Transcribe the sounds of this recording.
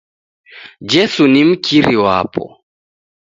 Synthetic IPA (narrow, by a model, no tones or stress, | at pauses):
d͡ʒɛsunim̩kʰiɾiwapɔ̰